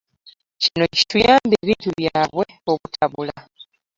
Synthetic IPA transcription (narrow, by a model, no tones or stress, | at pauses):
cino̞ci̥tujaːmbeːβiːntuβjaːβwe̞ | o̞βutʰaβula